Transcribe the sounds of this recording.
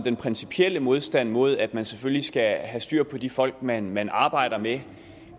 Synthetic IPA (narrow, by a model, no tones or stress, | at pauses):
d̥enpʰʁɛnsipʰiel̰əmo̝ð̞ˠsd̥æn̰mo̝ð̞̰ˠæd̥mænseføllisɡ̥æɦæsd̥yɐ̰pʰɒ̽d̥ifɒ̽l̰ɡ̥mænmænɑ̈ːb̥ɑ̈ɪ̰ɾ̥ɐme